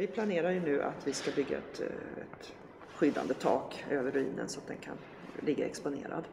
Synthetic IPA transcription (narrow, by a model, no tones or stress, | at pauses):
vɪpʰlaneːɾaɾjɵnʉ̟ːʔa̰t̪vɪskabʏɡːa̰ɛt̪ɛt̪ | ɧʏd̪ːa̰nd̪ət̪ʰɑːkøːvəɾɵḭːnə̰nsɔat̪̚d̪ɛnkʰa̰n | lɪɡːaɛkspʊnḛːɾa̰d̪